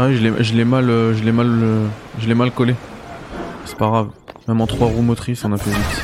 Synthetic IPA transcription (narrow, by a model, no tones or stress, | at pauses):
awiʒəlɛʒəlɛmaløʒəlɛmaløʒəlɛmalkɔle | se̥paɡʁavmɛmɑ̃t̪χwaʁumɔt̪χisɔ̃nafɛit̪